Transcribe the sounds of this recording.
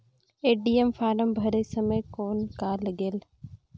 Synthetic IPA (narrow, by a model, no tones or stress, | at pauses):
eːɖiːemfaːɾəmbʱɐɾesɐməjkoːnkaːlːəɡeːl